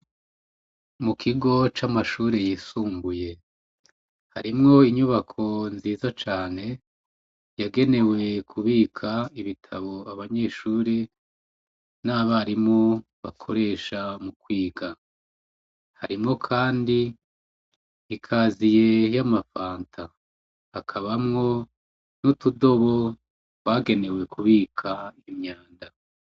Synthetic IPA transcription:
mukʰiɡo̞t͡ʃamaʃuːɾejiːsuːŋɡuje̞ | haɾimŋo̞iɲuβakʰo̞nziːzat͡ʃaːne̞ | jaɡe̞ne̞we̞kʰuβiːkʰaiβitʰaβoaβaɲe̞ʃuːɾi | naːβaɾimŋo | βa̰kʰoɾe̞ːʃamukwiːɡa | haɾimŋo̞kʰaːndi | kʰaːzije̞jamafaːntʰa | hakʰaβamŋo̞ | nutudo̞βo | waɡe̞ne̞we̞kʰuβiːkʰaimɲaːnda

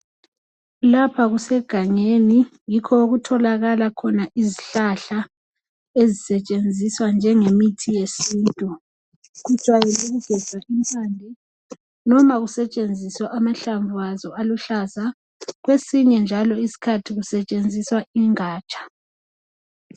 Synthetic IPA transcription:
lapʰaɣusɛɡ̥ʱaɲeni | jikʰɔoɣutʰɔlaɣalakʰɔnaʔiziɬaɬa | ezisɛt͡ʃʼend͡zʱiswand͡ʒʱɛŋemitʰijesintʼu | ɣu̥t͡ʃʼwajiluɣuɡ̥ʱɛz̥ʱaʔimpʰʼaːndʱi | nɔmaɣusɛt͡ʃʼend͡zʱiswɛʔamaɬaɱvuazɔaluɬaza | ɣwesiɲɛnd͡ʒʱalɔisi̥kʰatʰiɣusɛt͡ʃʼend͡zʱiswaiŋaːt͡ʃʼḁ

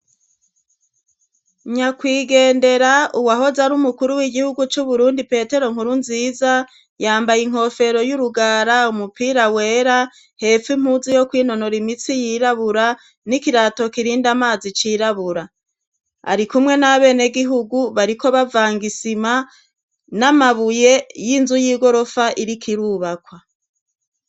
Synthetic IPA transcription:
ɲakwiːɡe̞ːnde̞ɾauwaɦo̞zaɾumukuɾuwiɡihuɡut͡ʃuβuɾuːndipe̞ːte̞ɾo̞ŋ̥huɾunziːza | jaːmbajiŋ̥ho̞fe̞ɾo̞juɾuɡaːɾaumupiːɾawe̞ːɾa | he̞fim̥huzijo̞kwiːno̞no̞ɾimit͡sijiɾaβuɾa | nikiɾato̞kiɾiːndamaːzit͡ʃiːɾaβuɾa | a̰ɾikumŋe̞naβe̞ːne̞ɡiɦuɡuβaɾiko̞βavaːŋɡisima | namaβuje̞jinzujiːɡo̞ɾo̞faʔiɾikʰiɾuβakwa

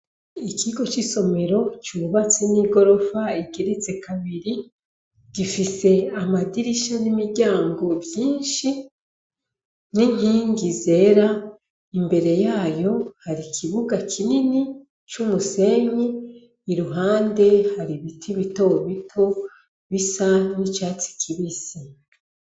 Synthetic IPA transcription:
ikʰiɡo̞t͡ʃiso̞me̞ɾo̞t͡ʃuβat͡seniɡo̞ɾo̞faiɡeɾit͡se̞kʰaβiɾi | ɡ̥ifise̞amadiɾiʃanimiɾɟaːŋɡo̞bjiːnʃi | niŋ̥iːŋɡize̞ɾa | imbe̞ɾe̞jaːjo̞haɾikʰiβuɡakʰinini | t͡ʃumuse̞ɲiː | ɾuɦaːnde̞haɾiβitʰiβitoβitʰo | βisanit͡ʃaːt͡si̥kʰiβisi

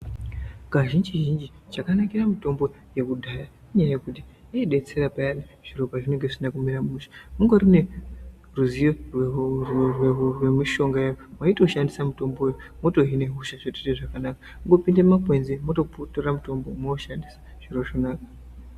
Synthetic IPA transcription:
kaʒind͡ʒiʒind͡ʒi | t͡ʃakanakiramito̞mbo̞ | je̞kudʱaja | iɲajajekuti | ieɗe̞t͡se̞ɾapajaɗi | ʐ̥iro̞paʐine̞ŋɡe̞ʐinakumiɾamuʃi̥muŋɡorine̞ | ruzijorw | rwrwemiʃo̞ŋɡajajomwaito̞ʃandisamito̞mbojomo̞to̞ɦine̞ɦuʃaʐeteteʐakanakḁmuŋɡo̞pindemmakwe̞nzemoto̞putoramuto̞mbo̞moʃandisḁ | ʐ̥iɾo̞ʐonaːkḁ

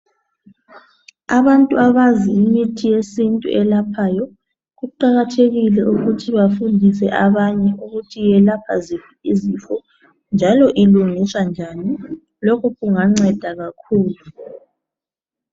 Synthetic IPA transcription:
aβantʼuaβaziːmitʰijesintʼṵʔɛlapʰaːjɔ | ɣuǃaɣatʰeɣilɛʔuɣutʰiβafundʱisɛʔaβaɲɛʔuɣutʰijɛlapʰazifiizifɔ | nd͡ʒʱalɔʔiluŋiswand͡ʒʱani | lɔkʰuɣuŋaŋ͡ǀɛd̥ʱaɣakʰuːlu

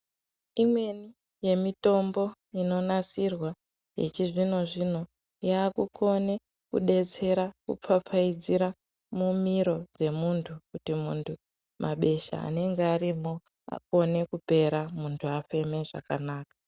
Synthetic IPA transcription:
imwe̞ni | je̞mito̞mbo̞ | ino̞nasirwa | jḛt͡ʃiʐino̞ʐino̞ | jaːkuko̞ne̞ | kṵɗe̞t͡se̞ɾakṵp͡fap͡faid͡ziɾa | mumiɾo̞d͡ze̞muntʰukutimuntʰu | mʔa̰ɓe̞ʃa̰ːne̞ŋɡeaɾimo | a̰ko̞ne̞kupe̞ɾamuntʰuafe̞me̞ʐa̰kanaːkḁ

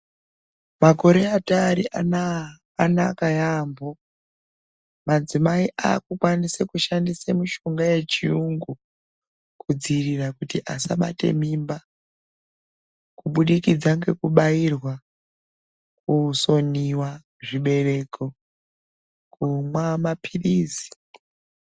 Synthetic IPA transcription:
mako̞ɾe̞ataːɾiaː | nakajaːmbo̞ | mad͡zimaiʔakukwandisekuʃandisemuʃo̞ŋɡaje̞t͡ʃiuŋɡu | kʰud͡zirirakutiʔasaɓa̰te̞̰mimba | kuɓuɗikid͡zaŋɡe̞kuɓajirwa | kuso̞niwa | ʐiɓe̞re̞ko | kumwamapʰiriːzi̥

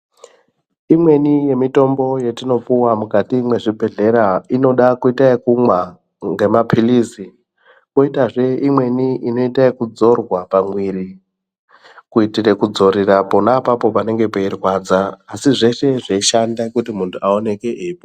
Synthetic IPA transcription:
imwe̞nije̞mito̞mbo̞je̞tino̞puwamukatiːmwe̞ʐibʱe̞ɮe̞ɾaino̞ɗakuitaekumwa | ŋɡe̞mapʰilizi | koitaʐe̞imwe̞niʔino̞itaekud͡zo̞rwapamwiri | kuitire̞kud͡zo̞ɾirapo̞napapo̞pane̞ŋɡe̞poirwad͡zaːsiʐe̞ʃe̞ʐaiʃandakutimuntʰuao̞ne̞ke̞ʔeipo

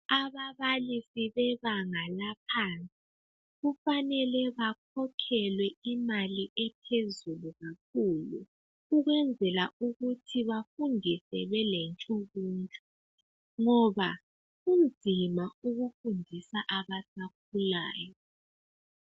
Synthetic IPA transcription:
aβaβalisiβɛβaŋalapʰant͡sʼi | ɣufanɛlɛβakʰɔkʰɛlwɛimaliʔɛpʰezuluɣak̚ʰuːlṵ | uɣwɛnd͡zʱɛlauɣutʰiβafundʱisɛβɛlent͡ʃʼuɣuːntʼu̥ | ŋɔβa | ɣund͡zʱimauɣufundʱisaʔaβasak̚ʰulaːjɔ

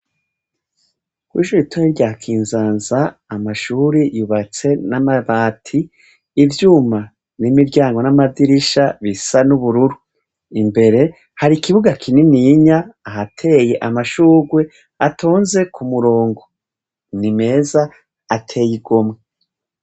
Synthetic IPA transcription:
kwḭːʃuːɾitʰumiɾɟahkʰiːnzaːnzaːmaʃuːɾijuβat͡se̞namaβaːtʰiː | vjuːma | nimiɾɟaːŋɡo̞namadiɾiʃaβisanuβuɾuɾu | imbe̞ɾe̞ | haɾikiβuɡakʰininiɲaːɦatʰe̞ːjeʔamaʃuːɾɡwe | atʰo̞ːnze̞kʰumuɾo̞ːŋɡo | nime̞ːzaː | tʰe̞ːjiɡo̞mŋe

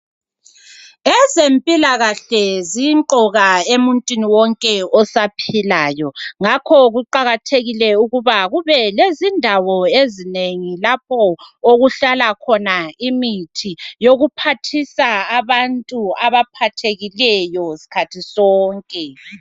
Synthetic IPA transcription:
ɛzempʼilaɣaɬɛziǃɔɣaemuntʼwiniwɔŋkʼɛɔsapʰilaːjɔŋakʰɔɣuǃaɣatʰeɣilɛuɣuβaɣuβɛlezindʱawɔezineŋilap̚ʰɔoɣuɬalakʰɔnaimitʰijoɣupʰatʰisaːβantʼuaβapʰatʰeɣilɛjɔsi̥kʰatʰisɔːŋkʼɛ

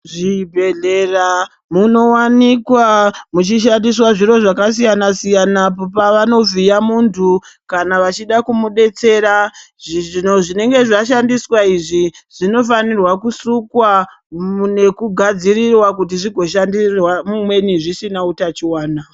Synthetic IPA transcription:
ʐibʱeɮe̞ra | muno̞wanikwamut͡ʃiʃandiswaʐiro̞ʐakasijanasijanapopaʋano̞b͡vʱijamuntʰukanaʋat͡ʃiɗakumuɗe̞t͡se̞ɾa | ʐinoʐine̞ŋɡe̞ʐaʃandiswaiʐiʐ̥ino̞fanirwakusukwa | une̞kuɡʱad͡zirirwakutiʐiɡʱo̞ʃandirwamumwe̞niʐisinautat͡ʃiwaːna

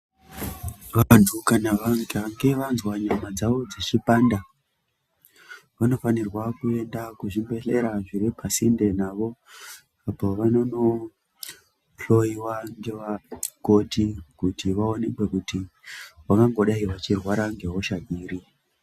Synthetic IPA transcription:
ʋadukanaʋaŋɡaŋɡe̞ʋanzwaɲamad͡zaʋo̞d͡zet͡ʃipanda | ʋano̞fanirwakue̞ndakuʐimbe̞ɬeɾaʐiɾipasinde̞naʋo̞ | apoʋano̞no̞ | ɬo̞iwand͡ʒe̞ʋako̞tikutiʋao̞nekwe̞kutiwakaŋɡo̞ɗaiʋat͡ʃirwaɾaŋɡe̞ɦoʃaɡiːɾi

